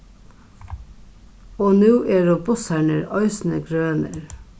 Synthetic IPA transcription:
oːnʉːʔeːɾoːbʊsæɳəɾɑʏsn̩əɡɾøːnə̰ɾ

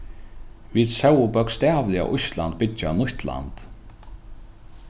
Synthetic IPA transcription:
vid̪sɛwʊbœkst̪æːvlɪa̰ʔʊsla̰nt̪̚bɪanʊht̪la̰nt̪

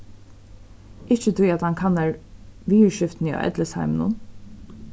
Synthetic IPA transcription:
ɪt͡ʃət̪ʰʊjat̪hankʰanːaɹʋiːəɹʃɪft̪nia̰ʔɛ̰d̪ləsa̰ɪmənʊ̰n

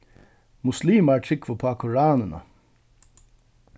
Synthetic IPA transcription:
mʊsliːmaːɹʈʰɾɪkʰʋəpʰoːakʰʊɹɑːnənə̰

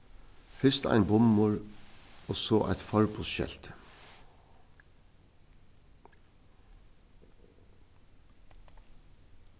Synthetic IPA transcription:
fɪst̪əæ̰ɪnbʊmmʊːɹ | oːsoːʔæ̰ɪt̪fɑɹpʰʊsʃɛ̰lt̪

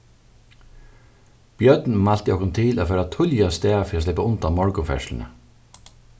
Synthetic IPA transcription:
b̥jœt̪nmal̥t̪əɔhkːʊnt̪ʰɪla̰ːfœːɾat̪ʰʊljast̪ɛːfiɾaːslɪpːaʊnt̪amɔɹkʊfɛ̰ʂln̩ə̰

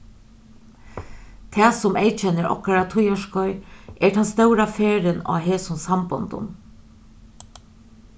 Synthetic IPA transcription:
t̪ʰɛːsʊmeɪt͡ʃɛnːəɾɔ̰hkaɾat̪ʰʊjɔʂkɔʏʔɛt̪ʰanst̪œʊɾafeːɾənɑ̰ːɦeːsʊnsambʊ̰nd̪ʊ̰n

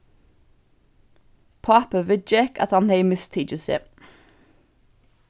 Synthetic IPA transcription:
pʰɑpəʋɪd͡ʒɛkɑ̰t̪hɑnheɪmɪst̪ʰiːd͡ʒəsḛ

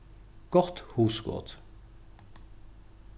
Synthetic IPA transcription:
ɡ̥ɔʁt̪huːsɡo̰ʁd̪̥

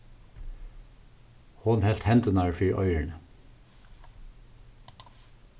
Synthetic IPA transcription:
hʊnhɛl̥t̪hɛnt̪ənɑɹfiːɹʔœ̰ʏəɳə

